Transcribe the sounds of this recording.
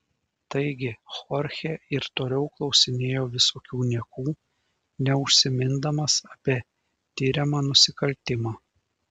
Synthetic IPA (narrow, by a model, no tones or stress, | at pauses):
t̪ɐɪɡʲɪxɔɾʲxʲeɪɾt̪oːlʲɛʊklˠɒʊsʲɪnʲeːjoːʋʲɪsoːkʲuːnʲiɛkuː | nʲɛʊʃʲsʲɪmʲɪnd̪ɐmɐsɐpʲiɛ | t̪ʲɪːɾʲɛmɑːnʊsʲɪkɐlʲt̪ʲɪmɑː